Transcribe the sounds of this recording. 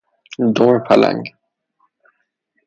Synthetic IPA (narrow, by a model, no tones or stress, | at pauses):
d̪ɔːɹpʰala̰ŋ